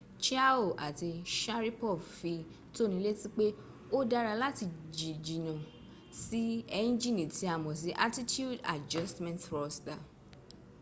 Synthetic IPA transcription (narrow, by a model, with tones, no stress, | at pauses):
t͡ʃi˦a˦o˦˨ʔa˨ti˧ʃa˦ɾi˦pɔ˦˨fi˧ | to˦nĩ˧˦le˦tĩ˦k͡pe˦ | o˦da˦ɾa˧la˦ti˧˨d͡ʒi˨d͡ʒi˨nã˨ | si˦ɛ˧nĩ˦d͡ʒĩ˦˨nĩ˨ti˨˧˦a˨mɔ̃˨s̬i˨˦ʔa˦ti˦tju˦˨da̰˨d͡ʒɔ˦stmɛ̃˦ntɾɔ˧sta˨